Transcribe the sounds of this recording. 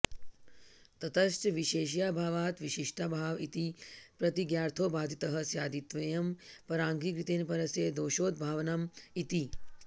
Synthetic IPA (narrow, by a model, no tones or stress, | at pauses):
t̪ɐt̪ɐʃʈʋiʃeːʃjaːbʱaːʋaːt̪ʋiʃiʂʈabʱaːʋit̪ipɾɐt̪iɡjaːɾt̪ʰoːbaːd̪ʱit̪ɐɦɐsjaːd̪it̪ʋɐjɐmpɐɾaːŋɡikɾit̪eːnpɐɾɐseːd̪oːʃoːd̪̚bʱaːʋnɐmit̪i